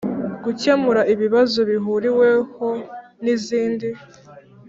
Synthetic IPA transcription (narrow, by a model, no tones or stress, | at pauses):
ɡucemuɾaʔiβiβazo̞βiɦuɾiwe̞ho̞ | niziːndi